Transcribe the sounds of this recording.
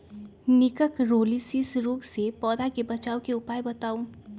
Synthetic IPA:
nɪkəkɾoːliːsisɾoːɡsepɔːd̪akebɐt͡ʃaːokeʊpaːjbɐt̪aːũː

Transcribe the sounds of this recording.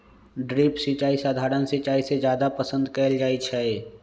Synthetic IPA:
ɖɾiːpsit͡ʃaːisaːd̪ʱaːɾənsɪt͡ʃaːised͡ʒjaːd̪apəsə̃nd̪kɛːld͡ʒaːit͡ʃʰɛ

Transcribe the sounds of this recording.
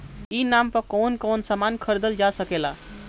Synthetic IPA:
inampəɾkɔnkɔnsamankʰəɾd̪əld͡ʒasəkela

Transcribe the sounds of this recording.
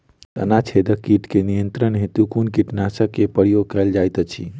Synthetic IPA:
t̪ə̰nat͡ʃʰed̪əkːiʈkenijənt̪ɾənɦet̪ukunkiʈnasəkːepəɾijoɡ̚kəld͡ʒajt̪ət͡ʃʰḭ

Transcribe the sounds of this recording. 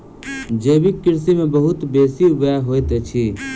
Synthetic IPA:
d͡ʒeːbikkːɪɾsimẽbəɦʊt̪beːsiʋaɦoːet̪et͡ʃʰi

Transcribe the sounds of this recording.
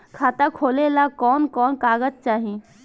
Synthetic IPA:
kʰat̪akʰoːlelakɔːnkɔːnkaɡəd͡ʒ̚t͡ʃaːɦi

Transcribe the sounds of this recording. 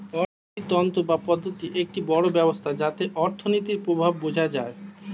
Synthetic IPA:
ɔ | it̪ɔnt̪obapɔd̪ʱːot̪iʔek̚ʈibɔɽobɛbost̪ʰad͡ʑat̪eʔɔɾt̪ʰonit̪̬iɾpɾobʱabːod͡ʑʱad͡ʑae

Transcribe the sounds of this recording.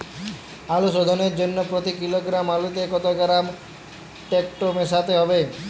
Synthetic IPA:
alusod̪ʱɔneɾd͡ʒonːɔpɾot̪ikiloɡɾamalut̪ekɔt̪ɔɡɾam | ʈek̚ʈomesat̪eɦɔbe

